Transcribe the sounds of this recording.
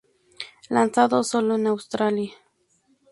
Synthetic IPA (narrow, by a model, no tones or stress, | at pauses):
lansaðosoloenawst̪ɾalja